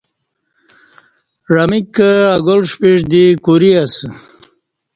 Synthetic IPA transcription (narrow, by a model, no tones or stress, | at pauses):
ɾamikəaɡolʂpiʂd̪ikuɾias